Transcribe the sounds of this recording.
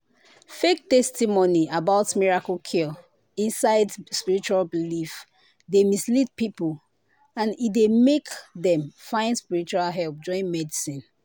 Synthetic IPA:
fek̚tɛstimoniʔabaʊtmiɹakəlkʰil | ĩnsaɪdspiɹit͡ʃualbilif | demislit̚pipəl | ãnidemekðɛ̃mfãɪ̃nspiɹit͡ʃualɦɛlˠp̚d͡ʒɔ̃ɪ̃nmɛdisĩn

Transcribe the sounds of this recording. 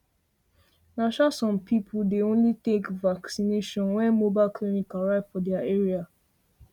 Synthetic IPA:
naʃasɔ̃mpʰipʰuldeõnlitekvaksineʃɔ̃nwɛ̃nmobaɪlkʰlimikaɹaɪvfɔdɛaeɹia

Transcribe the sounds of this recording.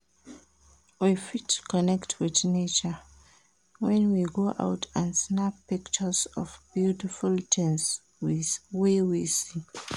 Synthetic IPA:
wifitkɔnɛktʰwɪðnet͡ʃə | wɛ̃nwiɡoʔa̰ʊtʰãnsnappikt͡ʃəsɔvb̥jutifultʰɛ̃ns | wiwewisi

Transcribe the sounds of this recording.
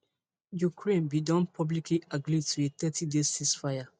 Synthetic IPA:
jukʰɹẽnbidɔ̃npʰɔblikʰliʔaɡɹitʰuet̪ɛtʰidestisfaɪja

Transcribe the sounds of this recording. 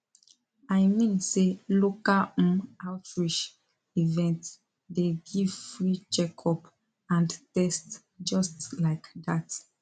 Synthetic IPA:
aɪmĩnselokãawtʰɹiʃ | ivɛ̃nt | deɡivfɹit͡ʃɛkʰɔp | ãntɛst | d͡ʒɔstlaɪkdat

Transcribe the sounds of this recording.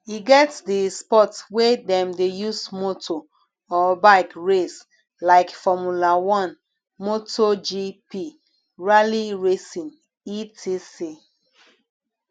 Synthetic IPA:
iɡɛtdispɔtwedɛ̃mdejusmotʰo | ɔbaɪkɹes | laɪkfɔmulawɔ̃n | motʰod͡ʒipi | ɹaliɹesĩn | itʰisi

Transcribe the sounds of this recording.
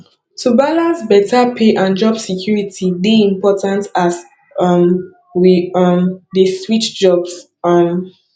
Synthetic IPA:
tubalãsbɛtapʰeʔãnd͡ʒɔbsikʰjuɹitʰideĩmpɔtãntas | ʌm | wiʌmdeswit͡ʃd͡ʒɔbs | ʌm

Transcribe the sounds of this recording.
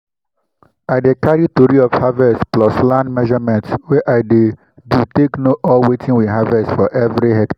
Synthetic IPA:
aɪdekaɹitoɹiɔfhavɛstplɔslãndmɛʒɔmɛ̃ntwɛʔaɪde | duteknoʔɔwetʰĩŋwiɦavɛstfɔʔɛvɾihɛkta

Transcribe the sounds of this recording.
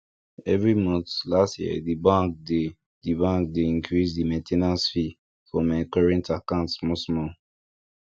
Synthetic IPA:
ɛvɹimɔ̃nθlastjiɛ̰dibãŋk̚de | dibãŋk̚deĩŋkʰɹisdimɛ̃ntʰenãsfi | fɔ̃mɛ̃kɔɹɛ̃ntakãʊ̃ntmɔsmɔ̃

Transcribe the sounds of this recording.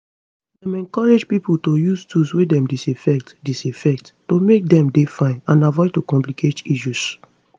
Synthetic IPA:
dɛ̃mɛ̃nkɔɹed͡ʒpipultojustʰuswedɛ̃mdisifɛk̚tdisifɛk̚tːomek̚dɛ̃mdefãɪ̃nãnavɔɪd̚tokɔ̃mplikʰetiʃus

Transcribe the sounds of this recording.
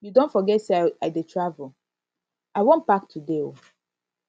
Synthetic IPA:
judõntfɔɡɛtseaaɪdetʰɹavəl̩ | aɪwɔ̃n̚bak̚tʰudeo

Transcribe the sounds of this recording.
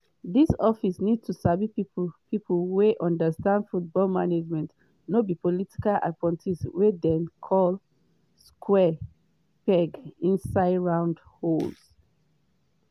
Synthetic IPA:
ðisɔfisnid̚tʰusabipipʰipulweʔɔ̃ndəstãndfut̚bɔlmaned͡ʒmɛ̃nt | nobipɔliti̥kala̰kwɛ̃ntʰiswedɛ̃nkʰɔl | skʰwɛ | pɛɡĩnsaɪɹãʊ̃ndhols

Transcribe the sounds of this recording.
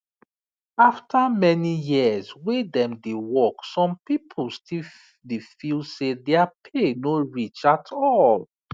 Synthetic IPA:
aftʰamɛnijiəzwedɛ̃mdewɔksɔ̃mpipʰəl̩stʰil | defilsedɛapʰenoɹit͡ʃatʰɔl

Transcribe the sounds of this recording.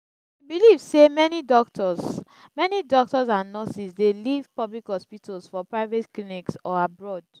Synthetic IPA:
bilivsemɛnidɔktɔs | mɛnidɔk̚tɔsãnːɔsisdelivpɔblikhɔspitʰalsfɔpɹaɪvetkliniksɔabɹɔd

